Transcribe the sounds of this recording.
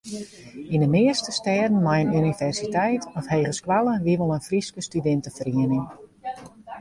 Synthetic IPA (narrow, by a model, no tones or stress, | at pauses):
indəmɪəstəstɛːdən̩majənynivɛrsitɛjtʰɔfheːχəskwalˠəʋiʋɔlˠənfriskəstydɛntəfriənɪŋ